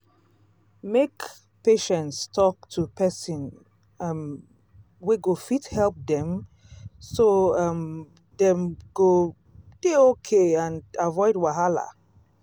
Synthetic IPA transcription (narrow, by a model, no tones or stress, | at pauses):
mek | peʃɛ̃ntstʰɔk̚tʰupʰɛsĩn | m | wiɡofithɛlˠp̚dɛ̃m | soʌm | dɛ̃mɡo | d̥eokʰeãnavɔɪdwaɦala̰